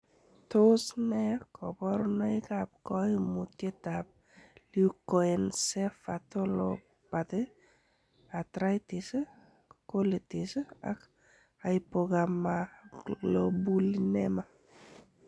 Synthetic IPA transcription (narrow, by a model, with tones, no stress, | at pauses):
to˦snɛ˦kɔ˨bɔ˦ɾnɛ˦ɪ˦ka˨p̚kɔ˦i˦mu˨tje˦ta˨p̚ | luko˦ɛ˨nsɛ˦fa˨to˦lo˨ | pa˨t̪ɪ˦ | a˨tɾa˦jtɪ˨s | ko˦li˨ti˨sa̰˦k | a˨ɪpo˧ɡa˨mːalo˨bu˦linɛ˦ma˦